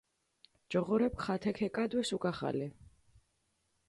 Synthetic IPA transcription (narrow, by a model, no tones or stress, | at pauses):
d͡ʒɔʁɔɾɛp̚kχat̪ʰɛkʰɛkʼad̪wɛsukʼaχa̰lɛ